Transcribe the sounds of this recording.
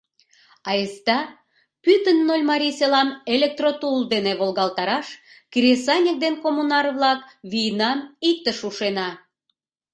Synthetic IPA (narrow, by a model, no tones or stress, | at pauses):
ɑest̪ɑ | pyt̪ənːolʲmɑɾʲiselɑmelʲek̚t̪rot̪uld̪eneβolɣɑlt̪ɑɾɑʃ | kɾʲesɑnʲek̚d̪enkomunɑrβlɑkβijnɑmik̚t̪əʃuʃenɑ